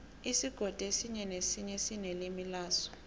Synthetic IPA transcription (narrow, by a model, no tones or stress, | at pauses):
isiɡ̥ʱɔd̥ʼʱesiɲɛnesiɲɛsinelimilaːsɔ̥